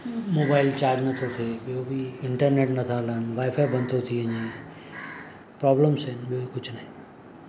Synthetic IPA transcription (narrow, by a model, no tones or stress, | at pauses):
moːbaːɪlt͡ɕaːd͡ʑnɐt̪ʰot̪ʰeɓijobʱiɪɳʈəɾneːʈnɐt̪ʰalənʋaːjfajbɐ̃nt̪ʰot̪ʰiəɲẽː | pɾɔːbləmsenɓijokʊt͡ʃʰnɐɦĩ